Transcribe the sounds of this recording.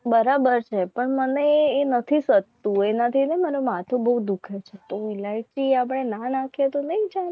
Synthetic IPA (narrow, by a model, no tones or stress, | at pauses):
bəɾabəɾt͡ʃʰepəɳməneːnət̪ʰisət̪t̪ũenat̪ʰinemaɾomat̪ʰobəud̪ukʰet͡ʃʰet̪oʋilait͡ʃiapəɽenanãkʰet̪onəĩd͡ʒa